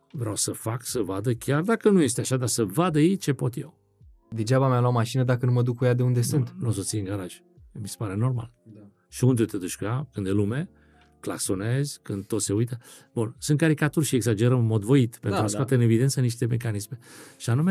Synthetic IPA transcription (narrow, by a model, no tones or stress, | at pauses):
vɾeawsəfaksəvad̪əkʲard̪akənuje̞s̬t̪eaʃad̪asəvad̪əjet͡ʃe̞po̞t̪jḛw | d̪e̞d͡ʒabamealamaʃinəd̪akənuməd̪ukːujad̪e̞und̪e̞sɨnt̪nuos̬ot̪siɨŋɡaɾaʒʲ | bise̥paɾe̞no̞rma̰l | ʃiund̪et̪ed̪ut͡ʃʲkujakɨnd̪elume̞ | kla̰kso̞ne̞zʲkɨnd̪̚t̪o̞t̪se̞ujt̪ə | bunsɨnt̪̚kaɾikat̪urʲʃieɡsad͡ʒe̞ɾəmɨnmo̞d̪vo̞it̪pe̞nt̪t̪ɾuaswat̪eɨne̞vid̪e̞ntsəniʃt̪e̞me̞kanisme̞ʃianume